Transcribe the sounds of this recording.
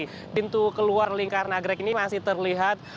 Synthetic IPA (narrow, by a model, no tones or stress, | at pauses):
pint̪ukəluarliŋkarnaɡɾakinimasɪht̪ərliɦat̪̚